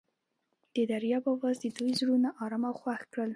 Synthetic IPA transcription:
d̪̥əd̪aɾjɑbawɑzd̪əd̪ujzɽunaʔɑɾɑmawxwaxkɽəl

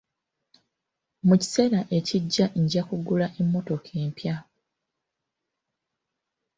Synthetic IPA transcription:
muci̥se̞ːɾaʔe̞ciɟːaɲɟakuɡulaʔe̞mːo̞to̞kʰe̞ːmpja

